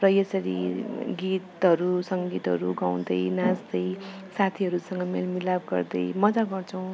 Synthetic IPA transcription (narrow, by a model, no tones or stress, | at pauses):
prʌjʌsʌɾḭɡit̪ɦʌɾusʌŋɡit̪ɦʌ̰ɾuɡaw̃d̪ʌjnasd̪ʌjsat̪ʰiɦʌɾusʌŋɡʌmelmilab̚ɡʌ̰rd̪ʌjmʌd͡zaɡʌrt͡sʰʌw̃